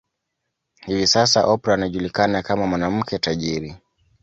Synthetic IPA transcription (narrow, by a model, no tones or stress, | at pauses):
hivisasaʔɔpɾaːnaʄulikanakamamwanam̩kʰɛtaʄiɾi